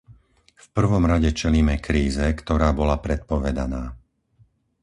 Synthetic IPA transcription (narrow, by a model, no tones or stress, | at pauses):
fpr̩ʋɔmɾaɟɛt͡ʃɛliːmɛkɾiːzɛkt̪ɔɾaːbɔlapɾɛt̪̚pɔʋɛd̪anaː